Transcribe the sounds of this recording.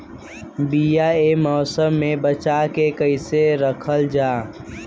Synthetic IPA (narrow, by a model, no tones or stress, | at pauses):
bijaemɔːsəmːẽbət͡ʃakekəɪseɾəkʰəld͡ʒaː